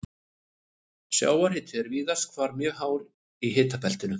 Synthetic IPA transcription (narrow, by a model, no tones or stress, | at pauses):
sja̰ːwaɾ̥hɪːt̪ɪɛɾviːðaskʰvaɾmjʏɣɦaːwɾ | iɦɪːt̪apɛl̥t̪ɪnʏ